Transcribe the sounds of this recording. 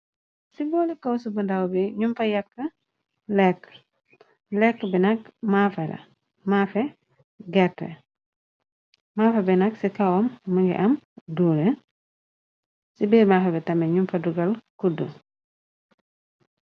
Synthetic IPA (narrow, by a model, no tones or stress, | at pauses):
sibɔlikɐwsubəndawbiɲumfɐjɐkːə | lɛkː | lɛkːəbɛnɐk̚mafɛlɐ̰ | mafɛ | ɡɛɾtːɛ̰ | maːfɛbɛnɐksikawɔmːɐŋɡɛ̰ʔɐmduɾɛ | sibimafɛbɛtɐmɛɲumfɐduɡɐlkudːṵ